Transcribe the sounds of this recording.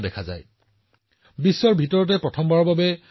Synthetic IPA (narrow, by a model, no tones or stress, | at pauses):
dɛkʰaza̰j | bisːɔɹbʱitɔɹɔt̬ɛpɹɔtʰɔmbaɹɔbabɛ